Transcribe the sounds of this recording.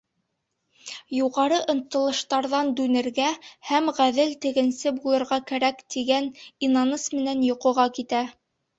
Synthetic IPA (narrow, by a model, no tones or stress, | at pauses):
juʁɑɾɤʔŏnt̪ːɤ̆lˠɤ̆ʃt̪ɑɾðɑnd̪ʉnɘ̆ɾɡæhæmʁæðɘlt̪ɘ̆ɡɘ̆nsɘbulˠɤ̆ɾʁɑkæɾækt̪iɡæninɑnɤsmɘ̆nænjŏqŏʁɑkit̪æ